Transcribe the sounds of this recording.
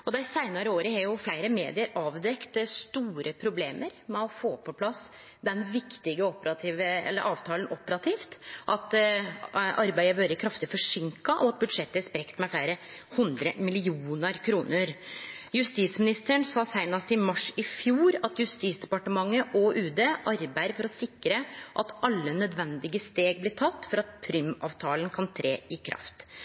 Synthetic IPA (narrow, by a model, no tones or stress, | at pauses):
ɔd̪ɛsæɪnɑɾəoːɾəhɑɾjʊflæɪɾəmḛːd̪ɪəɾɑːʋd̪ɛkt̪st̪uːɾʔəpʰɾʊbleːmʔəɾmɛɔfoːpʰɔpʰlɑs | d̪ɛnʋɪkt̪ɪɡəɔpəɾɑt̪ʰiːʋəɛ̰lːə̰ɾʔɑːʋt̪ʰɑːlənʔɔpəɾɑt̪ʰiːft̪ʔɑt̪ | ʔɑɾbæɪəbœɾəkʰɾɑft̪ɪfɔʂɪŋkɑʔɔɑt̪̚bʉd̪ʂɛt̪ːəspɾɛkt̪mɛflæɪɾəhʉnd̪ɾəmɪlɪuːnəɾkʰɾuːnəɾjʉst̪iːsmɪnɪst̪əɳsɑːsæɪnɑst̪ɪmɑʂɪfjuːɾɑt̪jʉst̪iːsd̪ɛpɑʈəmɑŋːəʔɔʔʉːd̪eːʔɑɾbæɪɾfɔɾɔsɪkɾəʔɑt̪ɑlːənœd̪ʋɛnd̪ɪɡəst̪eːɡ̚blɪt̪ʰɑt̪ːfɔɾɑt̪̚pʰɾʏmɑ̰ːʋt̪ʰɑːlənkʰɑnt̪ʰɾeːɪkʰɾʔɑ̰ft̪